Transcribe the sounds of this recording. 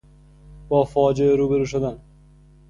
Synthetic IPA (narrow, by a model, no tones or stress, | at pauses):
b̥ɒːfɒːd͡ʒeeɾuːbeɾuːʃ̬od̪an